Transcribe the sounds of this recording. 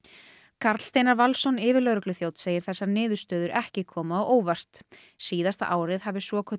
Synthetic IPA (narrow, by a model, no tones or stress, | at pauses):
kʰaɾt̪l̥st̪ejnaɾvalsɔnɪːvɪɾlœɣɾʏklʏθjoːwt̪seːjɪɾ̥θɛsːanɪːðʏɾst̪œːðʏɾɛhcɪkʰɔːmaɔɣʔoːwvar̥t̪ | siːðast̪a̰ʔaːwɾɪðhavɪsvɔkʰɔ